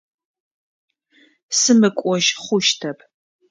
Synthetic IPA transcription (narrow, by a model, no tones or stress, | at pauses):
sɨmɨkʷʼɔʒχʷʊʃtʰɐpʰ